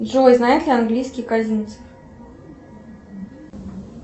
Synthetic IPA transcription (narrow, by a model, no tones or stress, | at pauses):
dʐojznajɪt̪lʲɪanɡlʲijskʲɪjkazʲinʲt̪sɨ̥f